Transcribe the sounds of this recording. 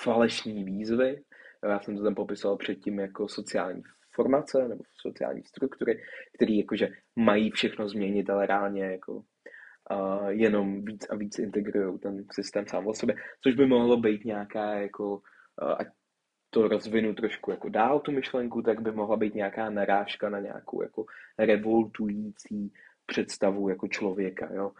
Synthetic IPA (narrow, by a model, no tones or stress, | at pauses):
falɛʃniːviːzvɪjojaːsɛmt̪ot̪ampopɪsovalpr̝̥ɛt̪̚cɪmjakoso̞t͡sɪa̰ːlɲḭː | fo̞ɾmat͡sɛnɛbo̞so̞̰t͡sɪa̰ːlɲḭːst̪ɾukt̪uɾɪkt̪ɛɾiːjakoʒɛ | majiːfʃɛxno̞zmɲɛɲɪt̪alɛɾaːlɲɛjakʰo̞̰ | jɛno̞mviːt͡saviːt͡sʔɪnt̪ɛɡɾujowt̪ɛnsɪst̪ɛːmsaːmʔosɛbɛt͡soʒbɪmoɦlobɛjt̪ɲaakaːjako̞ | ʔa̰c | t̪o̞ɾo̞zvɪnut̪ɾo̞ʃkujako̞daːlt̪umɪʃlɛŋkut̪aɡbɪmoɦlabɛjt̪ɲɛakaːnaɾaːʃkanaɲa̰ːkowja̰ko̞ɾɛvo̞lt̪ujit͡siːpr̝̥ɛt̪st̪avujako̞t͡ʃlo̞vjɛka̰joː